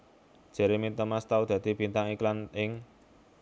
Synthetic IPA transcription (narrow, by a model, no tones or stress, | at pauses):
ʒ̥e̤ɾemit̪əmast̪aud̪̥ä̤d̪̥i̤b̥int̪aŋiklanɪŋ